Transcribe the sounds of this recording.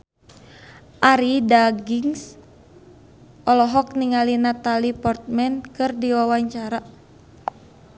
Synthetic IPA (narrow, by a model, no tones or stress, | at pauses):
ʔaɾidaɡiŋs | ʔɔlɔɦɔk̚niŋalinat̪alipɔrt̪̚mɛnkɨrdiwawaɲt͡ʃaɾa